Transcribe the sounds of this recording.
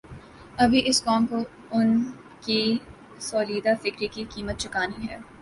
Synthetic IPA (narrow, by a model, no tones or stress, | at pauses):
ɐbʱiʔɪskɔ̃ːmko | ʊn | ki | soːliːd̪afɪkɾikikiːmət̪̚t͡ʃɪkaːniɦɛ̰ː